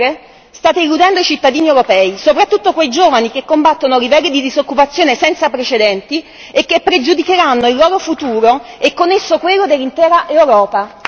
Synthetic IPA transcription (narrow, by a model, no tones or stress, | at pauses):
ɾe | st̪aːt̪eilud̪ɛnd̪oit͡ʃit̪ːad̪iːniewɾopɛːisopɾat̪ːut̪ːokwejd͡ʒoːvanik̟ekːombat̪ːonoɾivɛlːid̪id̪izokːupat̪sːjoːnesɛnt̪sapɾet͡ʃed̪ɛnt̪i | ekːepːɾed͡ʒud̪ikeɾanːoilːoːɾofut̪uːɾoekːonːesːokwelːod̪elːint̪ɛːɾaʔewɾɔːpa